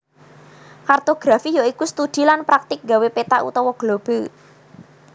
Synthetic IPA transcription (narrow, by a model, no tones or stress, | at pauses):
kart̪oɡ̥ɾafijoikust̪ud̪̥i̤lanpɾak̚t̪ɪk̚ŋɡawepet̪aʔṵt̪ɔwɔɡ̥lob̥e̤